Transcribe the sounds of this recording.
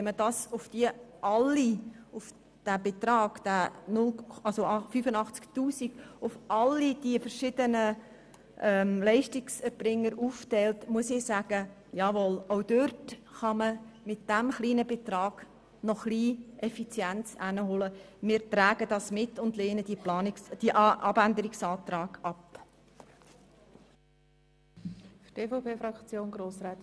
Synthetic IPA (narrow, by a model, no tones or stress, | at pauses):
ɛmədɑːsʊfd̥iəʔɑlːiʊf | d̥æbet̪rɑːɡ̥d̥ænʊlɑlsoɑfyfənɑχt͡sktuːsiɡ̥ʊfʔɑlːid̥iəfəɾʃɪdənə | ʔɛːmlɛɪʃtɪksɛɾb̥rɪŋːəɾuːftɛɪltmuəsɪsæːɡ̥ə | jɑːʋɔloʊd̥øɾtχɑməmɪt̚d̥æmχliːnəbet̪rɑːɡ̥ | nɔχliːʔɛfit͡sjænt͡sænəɦoləmɪːɾtræːɡədɑsmɪtʊndleːnəd̥ilɑnd̥iʔɑbænd̪əɾɪksɑːt̪rɑːɡ̥ɑp | fteːfopʰeːfɾɑkt͡sjoːnɡɾoːsɾat̪